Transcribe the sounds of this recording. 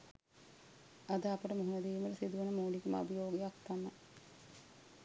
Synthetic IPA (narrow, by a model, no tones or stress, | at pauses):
ad̪əapəʈəmuɦunɐd̪iːməʈəsid̪uʋenəmoːlikəma̰bijoːɡejak̚t̪ama